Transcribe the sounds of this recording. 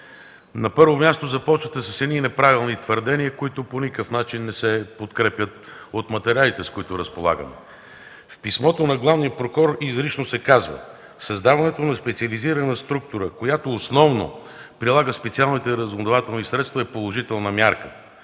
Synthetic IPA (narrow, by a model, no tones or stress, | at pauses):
nɐpɤɾvomʲjast̪ozɐpɔt͡ʃvət̪ɛsəsɛninɛpɾavilˠnit̪vəɾd̪ɛniəkoit̪ʊponikəfnat͡ʃinːɛsɛpot̪kɾɛpʲjət̪ | ot̪mɐt̪ɛɾʲialit̪ɛskʊit̪ʊɾəspolˠa̰ɡə̰mɛ̰ | fpismɔt̪onɐɡlˠavnijətpɾokɔɾizɾit͡ʃnosɛkazvə̰ | sɐzd̪avɐnɛt̪onɐspɛt̪siəliziɾənəst̪ɾuk̚t̪ʊɾəkojat̪oːsnɔvno̰ | pɾilˠaɡəspɛt̪sialˠnit̪ɛɾəzond̪ovat̪ɛlˠnisɾɛt̪st̪vɐipolˠoʒit̪ɛlˠnɐmʲjaɾkə